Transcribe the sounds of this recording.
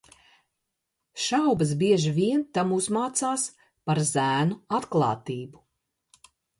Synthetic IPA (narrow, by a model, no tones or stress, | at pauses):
ʃawbɐsbiɛʒivʲiɛnt̪amuzmaːt̪saːs | paɾzæːnuat̪klˠɑ̰ːt̪iːbu